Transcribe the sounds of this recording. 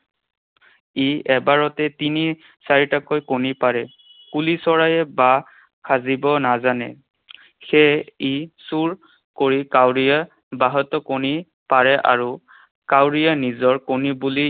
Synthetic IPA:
iɛbaɹɔtɛtini | saɹitakojkonipaɹɛ | kulisɔɹajɛba | kʰazibɔnazanɛ̰ | xɛisuɹ | koɹikawɹija | baɦɔtɔkoni | paɹɛʔa̰ɹu | kawɹijanizɔɹkonibuli

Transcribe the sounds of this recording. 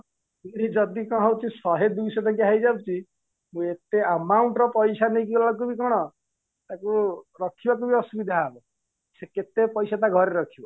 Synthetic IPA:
meɾid͡ʒɔd̪ikɔ̃ɦɔwt͡ʃʰisɔɦed̪bisɔt̪akiɦajd͡ʒabut͡ʃʰi | mũet̪eəmawɳʈɾɔpɔjsʰanejk̬iɡɔlak̬ubikɔɽ̃ɔ | t̪akuɾɔkʰibak̬ubiɔsubid̪ʱaabɔ | seket̪epɔjsat̪aɡʱɔɾeɾɔkʰibɔ

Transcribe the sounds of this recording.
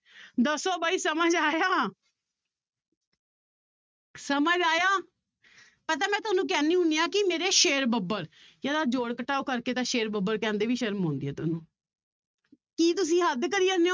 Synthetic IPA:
d̪əsoːbaːiːsəməd͡ʒaːjaː | səməd͡ʒaːjaː | pət̪aːmɛ̃ːt̪ʊaːnũːk̬ɛːniːɦʊniːãːkɪmeːɾeːʃeːɾbəbəɾ | jaːd̪aːd͡ʒoːɽkəʈʰːaːoːkəɾkeːt̪ãːʃeːɾbəbəɾkɛ̃ːnd̪eːʋiːʃəɾmɦõːnd̪iːɛ̰ːt̪ʊnũː | kiːt̪ʊs̬ĩːɦəd̪kəɾiːəneo

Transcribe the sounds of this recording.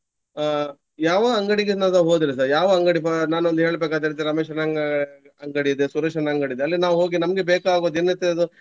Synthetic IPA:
jaːʋɐɐŋɡɐɽiɡenasɐɦoːd̪iɾis̬ɐɾjaːʋɐɐŋɡɐɽipɐnaːnuond̪uɦe̞ːɭbeːkaːd̪eɾt̪iɾɐːmeːʃɐnɐɡ | ɐŋɡɐɽiid̪esuɾɐʂɐnɐɐŋɡɐɽid̪eɐlːinaːʋuɦoːɡinɐmɐɡebeːkaːɡoːd̪enɐt̪ːed̪u

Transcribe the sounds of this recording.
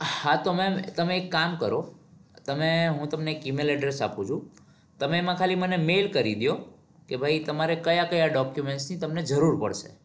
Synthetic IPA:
hat̪omemt̪əmeːkːamkəɾot̪əmeɦũt̪əmneːkimelɛɖɾesa̰pũt͡ʃʰũ | t̪əmeemãkʰalimənemelkəɾid̪jo | kebʱajt̪əmaɾekəjakəjaɖɔkjumeɳʈsnit̪əmned͡ʒəɾuɾpə̰ɽʃḛ

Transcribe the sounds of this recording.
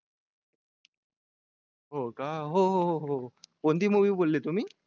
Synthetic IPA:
ɦokaɦoɦoɦoɦoond̪iːmuʋiːbolːet̪um̤iː

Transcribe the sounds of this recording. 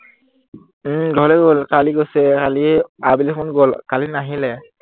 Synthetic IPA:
dʱɔlɛɡolkaliɡosɛkaliabilɛxʰʊnɡolkalinaɦilɛ

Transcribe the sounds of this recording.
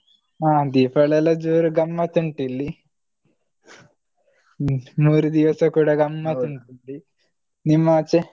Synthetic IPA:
aːd̪iːpʰɐɭɐlɐd͡ʒuːɾuɡɐmːɐt̪uɳʈilːi | muːɾud̪iʋɐsɐkuːɽaɡɐmːɐt̪uɳʈuɳɖi | nimːat͡ʃe

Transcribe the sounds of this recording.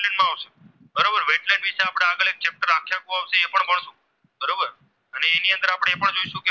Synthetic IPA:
lẽɳɖmãaʋʃe̥ | bəɾobəɾʋeʈlɛ̃ɳɖʋiʃeapɽ̃eaɡəɭek̚t͡ʃep̚ʈəɾakʰjakũaʋʃeːpəɳbəɳ̃ʃũ | bəɾobəɾ | əneːniənd̪əɾapəɽ̃eepəɳd͡ʒoiʃũke

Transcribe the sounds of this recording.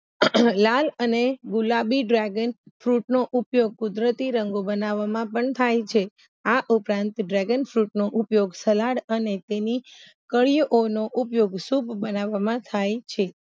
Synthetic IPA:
laləneɡulabiɖɾaɡənfɾuʈnoʔupjoɡ̚kud̪ɾət̪iɾəŋɡobənaʋːamãpəɳt̪ʰajt͡ʃʰe | aʔupɾãnt̪ɖɾaɡənfɾuʈnoʔupjoɡsəlaɽənet̪eni | kəɭijʔonoʔupjoɡsupbənaʋamãt̪ʰajt͡ʃʰe

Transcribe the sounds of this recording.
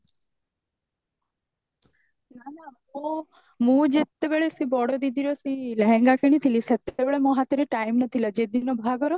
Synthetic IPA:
nana | o | mũd͡ʒet̪ːebeɭesibɔɽod̪id̪ʱiɾosiləɦɛ̃ŋɡakeñit̪ʰiliset̪ebeɭemoɦat̪iɾeʈaimnət̪ʰilad͡ʒed̪inobʱaɡɔɾo

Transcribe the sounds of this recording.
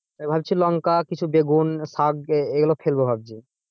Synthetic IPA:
ebʱabt͡ɕʰilɔŋkakit͡ɕʰubeɡunsaɡeɡulofʰelbobʱab̚d͡ʑi

